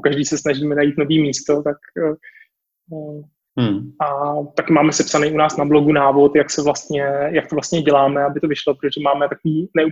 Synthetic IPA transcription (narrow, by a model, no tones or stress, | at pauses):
okaʒdiːsɛsnaʒiːmɛnajiːt̪noviːmiːst̪o̞t̪ak | ʔat̪akɪmaːmɛsɛpsanɛjunaːsnabloɡunaːvo̞t̪jaksɛvlast̪ɲɛjak̚t̪ovlast̪ɲɛɟɛlaːmɛabɪt̪o̞vɪʃlopɾot̪oʒɛmaːmɛt̪akoviːnɛu